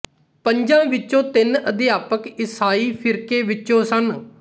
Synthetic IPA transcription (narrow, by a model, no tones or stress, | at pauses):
pəɲd͡ʒãːʋɪt͡ʃːõːt̪ɪnəd̪ɪjaːpəkɪsaːiːpʰɪɾkeːʋɪt͡ʃõːsən